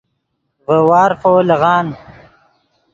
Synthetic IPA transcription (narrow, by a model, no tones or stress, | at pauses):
vəwɑːɾfoːleɣɑːn